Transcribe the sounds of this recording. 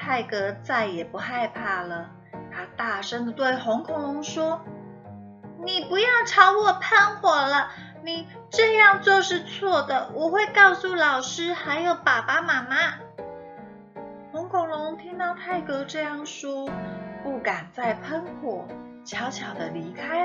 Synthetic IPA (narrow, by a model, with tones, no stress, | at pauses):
t̪ʰa˥˩ɪkɤ˧˥t͡sa˥˩ɪjɛ˨˩pu˧˥xa˥˧ɪpʰa˥˩lə˩ | t̪ʰa˥t̪a˥˩ʂə˥ŋd̪ə˨t̪we˥˩ɪxʊ˧˥ŋkʰʊ˨ʊ˨˩ŋlʊ˧˥ŋʂwɔ˥ | ni˨˩pu˧˥jɑ˥˩ʊʈ͡ʂʰɑ˧˥ʊwɔ˨˩pʰa˥˩nxwɔ˨˩lə˦ | ni˨˩ | ʈ͡ʂɤ˥˧jɑ˥˧ŋt͡ɕwo˥˧ʊʂɻ̩˥˧t͡sʰwɔ˥˩d̪ə˩wʔɔ˨˩xwe˥˧ɪkɑ˥˧ʊsu˥˩lɑ˨˩ʊʂɻ̩˥xa˧˥ɪjo˧˩ʊpa˨˩pa˥ma˧˥ma˥ | xʊ˧˥ŋkʰʊ˨˩ŋlʊ˧˥ŋt̪ʰi˥ŋt̪ɑ˥˧ʊt̪ʰa˥˩ɪkɤ˧˥ʈ͡ʂɤ˥˧jɑ˥˩ŋʂwɔ˥pu˥˩ka˨˩nt͡sa˥˩ɪpʰə˥nkʰwɔ˨˩˦ | t͡ɕjɑ˧˥ʊt͡ɕʰjɑ˨˩ʊd̪ə˦li˧˥kʰa˥ɪ